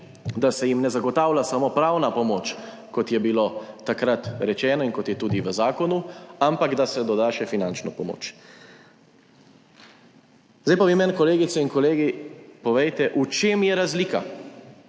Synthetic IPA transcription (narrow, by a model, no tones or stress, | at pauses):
d̪asɛjimnɛzaɡɔt̪aːwlasamoːpɾawnapɔmoːt͡ʃ | kɔt̪jɛbiloːt̪akɾat̪ɾɛt͡ʃɛːnɔinkɔt̪jɛt̪uːd̪iʋəzaːkɔnuampaɡd̪asɛd̪ɔd̪aːʃɛfinant͡ʃnɔpɔmo̰ːt͡ʃ | zd̪ajpaʋimɛnkɔleːɡit̪sɛinkɔleːɡipɔʋɛjt̪ɛʔut͡ʃeːmjɛɾazliːka